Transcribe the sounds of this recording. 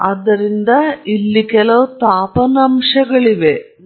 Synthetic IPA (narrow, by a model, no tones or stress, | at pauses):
ɐd̪ɐɾind̪ɐilːikɐloːt̪aːpɐnɐmʂɐɣɐɭiʋe